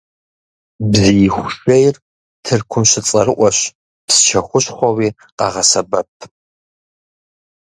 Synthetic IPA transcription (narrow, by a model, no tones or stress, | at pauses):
bzijxʷʊɕejr | tʰɨrkʷʰʊmɕɪt͡sʼɐrɨʔʷɔɕ | pst͡ʃʰɐxʷʊɕχʷɔwiː | qɑ̰ʁɐsɐbɐp̚ʰ